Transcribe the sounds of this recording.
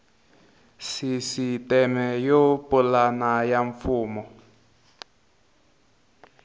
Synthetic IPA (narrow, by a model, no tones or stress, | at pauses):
sisitɛmɛjopɔlanajaɱfuːmɔ